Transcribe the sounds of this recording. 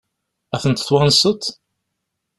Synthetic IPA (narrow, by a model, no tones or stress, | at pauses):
æθənt̪θwɑnsˤət̪